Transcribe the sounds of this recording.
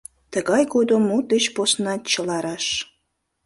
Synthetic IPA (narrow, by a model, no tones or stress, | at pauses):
t̪əɣɑjɡod̪omːud̪et͡ɕposnɑt̪t͡ɕəlɑɾɑʃ